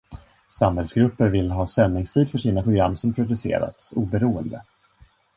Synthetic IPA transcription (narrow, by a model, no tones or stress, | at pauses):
samhɛlsɡɾɵpːəɾvɪlːɦɑːsɛnnːɪŋst̪ʰiːd̪fœʂiːnapʰɾʊɡɾamːsɔmpʰɾʊd̪ɵsḛːɾa̰t̪suːbɛɾuːənd̪ə